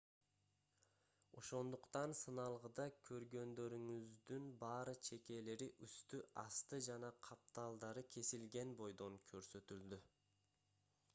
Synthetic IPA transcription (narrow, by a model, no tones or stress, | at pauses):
o̞̰ʃo̞nd̪uqt̪ɑnsɯnɑlˠʁɯd̪ɑkʲʰø̞ɾɡø̞nd̪ø̞ɾyŋyzd̪ynbɑːɾɯt͡ʃʰe̞ke̞le̞ɾiʔyst̪yɑst̪ɯd͡ʒɑnɑqʰɑp̚t̪ɑlˠd̪ɑɾɯkʲʰe̞silɡe̞nbo̞jd̪o̞ŋkʲʰø̞ɾsø̞t̪yld̪y